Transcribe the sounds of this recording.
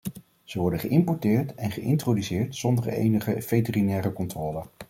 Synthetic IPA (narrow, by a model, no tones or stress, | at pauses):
z̥əʋɔɹdənχəʔɪmpɔɹtɪːɹtɛnχəʔɪ̰ntrowdysɪːɹtsɔndəɹḛjnəχəv̥ejtərinɛːɾəkɔntrɔːlə